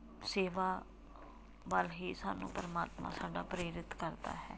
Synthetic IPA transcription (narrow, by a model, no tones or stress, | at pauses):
seːʋaː | ʋəlɦiːsaːnṵ̃ːpəɾəmaːt̪mã̰ːsaːɖaːpɾeːɾɪt̪kəɾd̪a̰ːɦɛː